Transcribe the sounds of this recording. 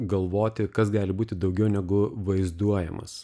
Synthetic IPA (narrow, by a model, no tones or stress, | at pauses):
ɡɐlˠʋoːt̪ʲɪkɐsɡɑːlʲɪbuːt̪ʲɪd̪ɐʊɡʲɛʊnʲɛɡʊʋɐɪzd̪uɔjɛmɐ̰s